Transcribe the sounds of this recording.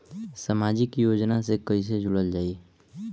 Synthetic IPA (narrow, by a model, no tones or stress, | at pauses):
samaːd͡ʒikjoːd͡ʒnasekəis̬ed͡ʒʱʊɽəld͡ʒaːiː